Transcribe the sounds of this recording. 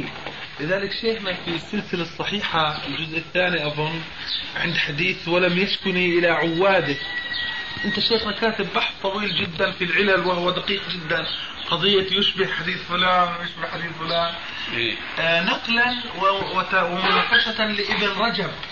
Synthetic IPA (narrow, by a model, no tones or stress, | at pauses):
lɪðaːlɪkʃeːxnafisːɪlsɪlasˤːɑħiːħaɪld͡ʒʊzʔɪθːaːniʔɑðˤʊn | ʕɪ̰nd̪ħad̪iːθwɪlamjaʃkʊniʔɪlaʕʊwːaːd̪ɪk | ʔɪnt̪aʃeːxnakaːt̪ɪbːaħst̪ˤːɑwiːld͡ʒɪd̪ːanfilʕɪlalwɪhʊwːad̪aqiːqd͡ʒɪd̪ːan | qɑd̪ˤɨjːajʊʃbɪhħad̪iːθfʊlaːnwjʊʃbɪhħad̪iːθfʊlaːn | nɑqlan | wɪɪwɪmʊnafaʃat̪alɪʔɪbɪnɾˤɑd͡ʒab̚